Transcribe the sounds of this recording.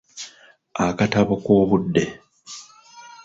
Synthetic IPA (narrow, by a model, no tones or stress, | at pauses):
akataβokoːβudːe